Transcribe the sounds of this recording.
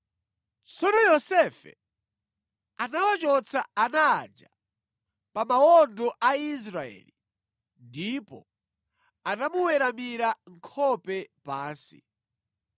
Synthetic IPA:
t͡sɔnɔjɔsɛfɛ̰ | anawat͡ʃɔt͡sʰaanaːd͡ʒa | pamaɔndɔʔais̬ɾaɛ̰ːli | ndipɔ | anamuwɛɾamiɾaŋkʰɔpɛpaːsḭ

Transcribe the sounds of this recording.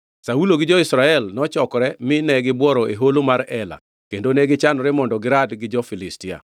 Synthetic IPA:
sauloɡɪd͡ʒɔɪsɾaɛlnɔt͡ʃɔkɔɾɛmɪnɛɡɪbwɔɾɔʔeɦolomaɾɛla̰ | kendonɛɡɪt͡ʃanɔɾɛmɔndɔɡɪɾadɡɪd͡ʒɔfilɪstia̰

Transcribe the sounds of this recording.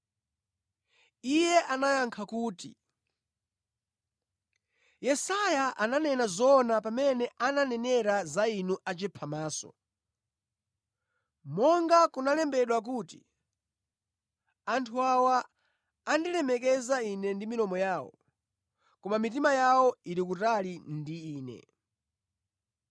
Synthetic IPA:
ijɛʔanajaŋkʰakuːtḭ | jɛsajaʔananɛnazɔnapamɛnɛʔananɛnɛɾazainuʔat͡ʃɛpʰamaːsɔ̰ | mɔŋɡakunalɛmbɛɗwak̬uːti | antʰuawaː | ndilɛmɛkɛzainɛndiminɔmɔjaːwɔ̰ | kɔmamit̬imajawɔiɾik̬utalindiiːnɛ̰

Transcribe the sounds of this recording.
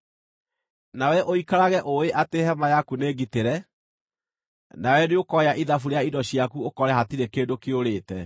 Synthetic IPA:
nawɛʔoikaɾaɣɛʔoeʔatehɛmajakuneːɡiteɾɛ | nawɛneokɔeaʔiðafuɾeaidɔɕiakuokɔɾɛhatiɾekeːdokeoɾeːtɛ

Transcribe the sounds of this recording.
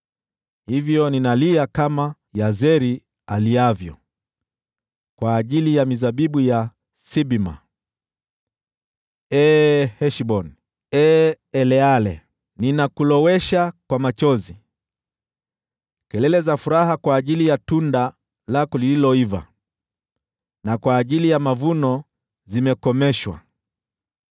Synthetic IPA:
hivjɔninaliakama | jazɛɾi | aliavjɔ̰ | kwaːʄilijamizaɓiɓuja | siɓima̰ | ɛhɛʃiɓɔn | ɛ | ɛlɛalɛ̰ | ninakulɔwɛʃakwamat͡ʃɔzi | kɛlɛlɛzafuɾaɦakwaːʄilijatunda | lakɔlililɔiva̰ | nakwaːʄilijamavunɔ | zimɛkɔmɛʃwa̰

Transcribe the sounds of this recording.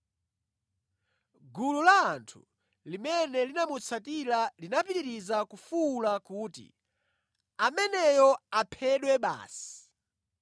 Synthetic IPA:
ɡululaːntʰṵ | limɛnɛlinamut͡sʰatilalinapiɾiɾizakufulakuːtḭ | amɛnɛjɔapʰɛɗwɛɓa̰ːsi̥

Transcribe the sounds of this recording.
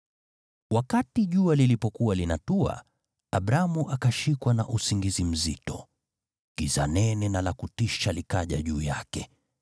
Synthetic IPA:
wakatiʄualilipɔkuwalinatua̰ | aɓɾamuʔakaʃikwanaʔusiŋɡizim̩zḭtɔ | kizanɛnɛnalakutiʃalikaʄa̰ʄuːjakɛ

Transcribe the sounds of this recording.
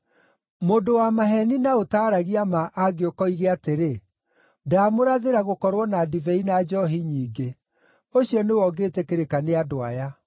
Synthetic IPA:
moːndowamaɦɛninaotaːɾaɣiamaʔaɡeokɔiɣeateɾe | ndamoɾaðeɾaɣokɔɾwɔnadivɛinad͡ʒɔɦiɲiːɡe | oɕiɔnewɔɡeːtɛkeɾekaneadoaja

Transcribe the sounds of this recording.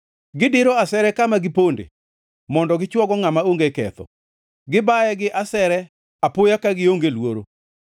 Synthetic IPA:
ɡɪdɪɾoasɛɾɛkamaɡɪpondḛ | mɔndɔɡɪt͡ʃwɔɡɔŋamaoŋɡekɛ̰t̪ɔ̰ | ɡɪbajɛɡɪʔasɛɾɛ | apʊjakaɡɪoŋɡelwoɾo

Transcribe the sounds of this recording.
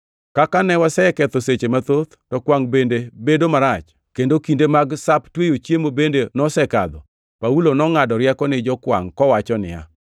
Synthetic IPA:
kakanɛwasɛkɛt̪oset͡ʃemat̪ot̪tɔkwaŋbendebedomaɾat͡ʃ | kendokindemaɡsaptwejot͡ʃjemobendenɔsɛka̰d̪ɔ | paulonɔŋadɔɾjakɔnɪd͡ʒɔkwa̰ŋkɔwat͡ʃɔnɪ̰ja̰

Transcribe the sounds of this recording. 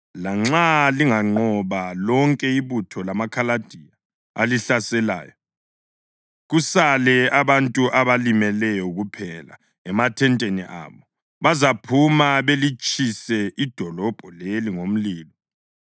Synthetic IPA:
laŋ͡ǁaliŋaŋ͡ǃɔβalɔŋkʼɛiβutʰɔlamakʰalad̥ʱija | a̰liɬasɛla̰ːjɔ | ɣusalɛaβantʼuʔaβalimɛlɛjɔɣupʰɛla̰ | ɛmatʰɛntʼeniʔa̰ːβɔ | βazapʰumaβelit͡ʃʼisɛʔid̥ʱɔlɔb̥ʱɔleliŋom̩liːlɔ

